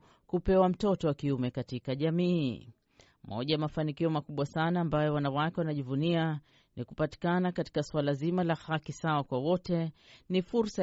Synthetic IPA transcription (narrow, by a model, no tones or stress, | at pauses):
kupɛwam̩tɔtɔwakiumɛkatikaʄamiː | mɔ̰ʄajamafanikiɔmakuɓwasanaːmbajɔwanawakɛwanaʄivunia | nikupati̥kanakati̥kaswalazimalahakisawakwawɔtɛnifuɾsa